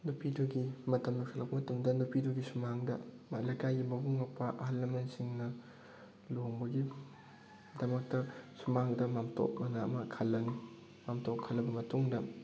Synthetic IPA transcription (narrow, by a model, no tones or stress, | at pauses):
nupʰiduɡimɐtɐmloksʰalɐk̚pɐmɐtɐmdɐnupiduɡisumaŋdɐ̰mɐlɐjkajɡimɐbuŋɐpɐʔɐɦɐlːɐmensiŋnɐ | loŋbɐɡi | dɐmɐk̚tɐsumaŋdɐmamtʰo̰k̚mɐnɐːmɐkʰɐlːɐni | mamtokkʰːɐlːɐbɐmɐtuŋdɐ